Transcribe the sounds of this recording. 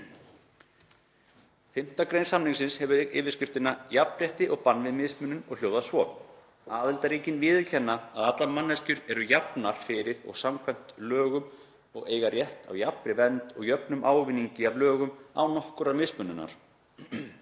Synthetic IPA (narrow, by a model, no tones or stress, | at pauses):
fɪm̥t̪akɾejnsamniŋsɪnshɛvʏɾɪːvɪɾ̥scɪft̪ɪnajapmrjɛht̪ɪʔɔɣpanvɪðmɪðsmʏnʏnɔɣl̥oːwðasvɔ | aːðɪlt̪aɾiːcɪnvɪːðɪcʰɛnːaːðat̪laɾmanːɛscʏɾɛɾʏjapnaɾ̥fɪːɾɪðɔ̰ɣsamkʰvɛjm̥t̪lœːɣʏm | ɔ̰ɣeːjɣaɾjɛht̪a̰wjapmɾɪvɛnt̪ɔɣjœpnʏmʔaːwvɪnːiɲcɪavlœːɣʏma̰wnɔhkʏɾamɪðsmʏnːʏnːa̰ɾ̥